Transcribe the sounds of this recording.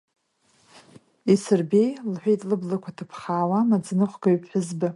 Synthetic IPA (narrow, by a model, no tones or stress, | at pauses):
isɨrbejlħʷᶣejtʼlɨblɨkʷʰatʰɨpʰχaːwamad͡znɨχʷɡaɥpʰħʊzbɨ